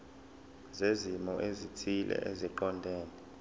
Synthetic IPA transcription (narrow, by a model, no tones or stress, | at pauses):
zezimɔʔezitʰilʔɛ̰ʔeziǃɔndʱeːni